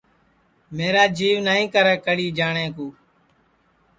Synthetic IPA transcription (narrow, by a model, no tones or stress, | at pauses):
meːɾaːd͡ʒiːʋnaːɦĩːkəɾɛ̃ːkəɽiːd͡ʒaːɳẽːkuː